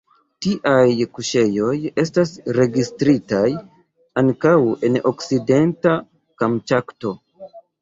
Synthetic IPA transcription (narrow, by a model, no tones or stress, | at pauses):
tiʔajkuʃe̞jo̞je̞stasɾe̞ɡistɾitaj | aŋkawe̞no̰kside̞nta | kamtakto